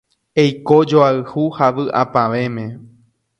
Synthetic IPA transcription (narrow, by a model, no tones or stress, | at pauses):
ejkod͡ʒoaɨhuhaʋɨʔa̰paʋe̞mẽ